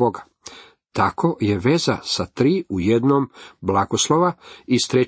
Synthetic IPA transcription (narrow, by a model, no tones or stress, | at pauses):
oɡa | t̪akʰo̞je̞ʋe̞zasat̪ɾiːuje̞d̪noːmblˠaɡoslˠoʋaist̪ɾe